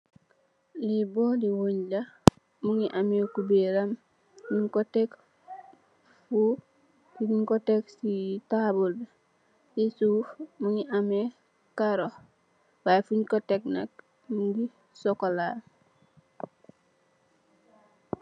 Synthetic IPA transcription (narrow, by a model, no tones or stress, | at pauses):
libodiwoɲla | muŋiʔamekubeɾam | miɲkotek | fu | fiɲiɲkoteksitabulda | sisufmuŋiʔame | kaɾo | bajfuɲkotek̚na̰k̚ | muŋɡi | sokola